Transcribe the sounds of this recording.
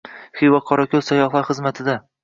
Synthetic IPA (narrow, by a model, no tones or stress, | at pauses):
χivaqʰɒɾakʲʰɵlsajɒχlˠaɾχɨzmat̪ʰɪd̪a